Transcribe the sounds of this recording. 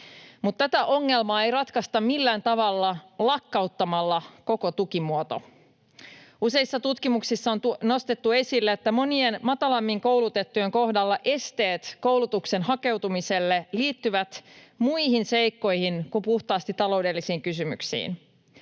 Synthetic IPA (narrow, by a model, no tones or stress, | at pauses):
mut̪ːæt̪æʔo̞ŋːe̞lmɑːe̞jɾɑt̪kɑst̪ɑmmilːæːnt̪ɑʋɑlːɑlɑkːɑut̪ːɑmɑlːɑko̞kot̪ukimuot̪o̞̰ | use̞isːɑt̪ut̪kimuksisːɑont̪uno̞st̪et̪ːue̞silːeːt̪ːæmo̞nie̞nmɑt̪ɑlɑmːiŋko̞wlut̪e̞t̪ːuje̞ŋko̞hdɑlːɑʔe̞st̪e̞ːt̪ko̞wlut̪ukse̞nɦɑke̞wt̪umise̞lːeliːt̪ːyʋæt̪muiɦinse̞jkːo̞jhinkupuht̪ɑːst̪it̪ɑlo̞ude̞lːisiːŋkysymy̰ksḭːn